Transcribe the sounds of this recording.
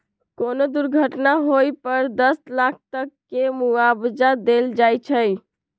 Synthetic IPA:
konod̪uɾɡʱəʈnaɦojpəɾd̪əslak̚ʰt̪əkːemuabd͡ʒad̪eld͡ʒajt͡ʃʰəj

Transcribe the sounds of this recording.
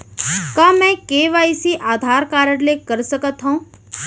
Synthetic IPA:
kamɛ̃keːʋaːisiʔaːd̪ʱaːɾkaːɾəɽlekəɾsəkət̪ɦõ

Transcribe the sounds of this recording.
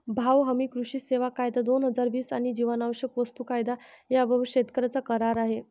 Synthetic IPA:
bʱaʋɦəmikɾuʂiːseʋakajd̪ad̪onɦəd͡zaɾʋiːsaɽ̃id͡ʑiʋanaʋəɕjəkʋəst̪uːkajd̪ajabəɕet̪kəɾat͡sakəɾaɾaɦe

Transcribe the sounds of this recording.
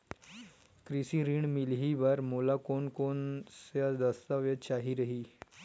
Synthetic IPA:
kɾisiːɾiːɳmilɦiʋaɾmolakoɳkonsjad̪əst̪aʋjət͡ɕaɦiɾəɦiː

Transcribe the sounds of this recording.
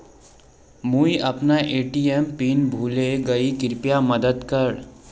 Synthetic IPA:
muːiʔɐpnaʔeːʈiːɛmpiːnbʱuːleɡɐikɪɾpijamɐd̪əd̪kɐɾ

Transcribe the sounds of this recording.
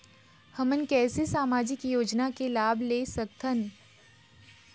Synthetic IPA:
həmənkɛːsesaːmaːd͡ʒɪkjoːd͡ʒnakelaːbʱleːsək̚t̪ʰən

